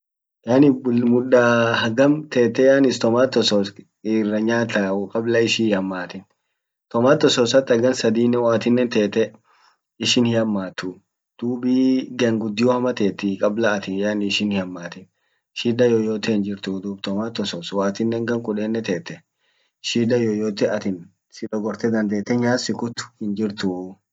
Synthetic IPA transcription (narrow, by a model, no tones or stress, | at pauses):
jaːnɪmʊᶑahɐɡɐmt̪eːt̪ːɛjaːnɪst̪ɔmaːt̪ːɔsɔs | ɪrːɐɲaːt̪ɐkʼɐblɐɪʃɪɐmːaːt̪ɪn | t̪ɔmaːt̪ːɔsɔsɐt̪ːɐɡɐnsɐd̪iːnːɛwaːt̪ɪnːɛnt̪eːt̪ːɛ | ɪʃɪnhɪhɐmːaːt̪ːʊ | d̪̥uːbiɡɐŋɡʊd̪ːɪjɔhɐmɐt̪eːt̪ːɪkʼɐblɐːt̪ɪjanɪʃɪnhɪɐmːaːt̪ɪn | ʃiːd̪ɐjojoːt̪ɛhɪnd͡ʒɪɾt̪ud̪uːb̚t̪ɔmaːt̪ːɔsɔswaːt̪ɪnːɛŋɡɐŋkʼʊᶑeːnːɛt̪eːt̪ːɛ | ʃiːd̪ɐjojoːt̪ɛɐt̪ɪn | sɪᶑɔɡɔɾt̪ɛd̪ɐnd̪e̞ːt̪ːɛɲaːsɪkʊt̪ːʊ̥hɪnd͡ʒɪɾt̪u